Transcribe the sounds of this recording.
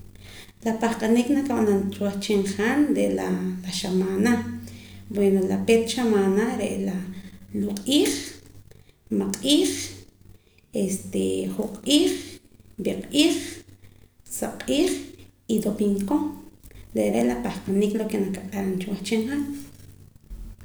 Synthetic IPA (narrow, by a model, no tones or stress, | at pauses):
lapaχqʼaniknakaɓanant͡ʃwaχt͡ʃiɴχanɾeʔlalaʃamaːna | bwenolapet̪ʃamaːnaɾeʔlaluqʼiːχ | maqʼiːχ | est̪eχuqʼiːχbiqʼiːχ | saqʼiːχid̪opiŋko | ɾeʔɾeʔlapahqʼaniklokenakaɓaɾant͡ʃwaχt͡ʃiɴχan